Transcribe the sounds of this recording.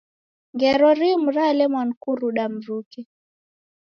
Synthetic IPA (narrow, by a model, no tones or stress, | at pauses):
ŋɡɛɾɔɾim̩ɾalɛmwan̩kuɾuɗam̩ɾukɛ